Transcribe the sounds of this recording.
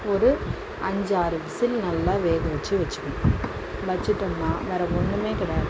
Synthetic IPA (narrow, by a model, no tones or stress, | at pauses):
ɔɾɯ | ɐɲd͡ʒaːɾɯʋɪsɪlnɐlːaːʋeːɣɯʋɐt͡ʃːɯʋɐt͡ʃːɯ̥kːɐ | ʋɐt͡ʃːɪʈːɯnːaːʋeːɾɐkɔɳːɯmeːkɪɽɛ